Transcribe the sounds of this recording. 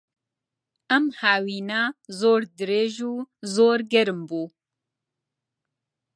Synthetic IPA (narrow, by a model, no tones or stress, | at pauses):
ɐmhaːwiːnaːzoːɾd̪ɨɾeːʒuːzoːɾɡɛɾɨmbuː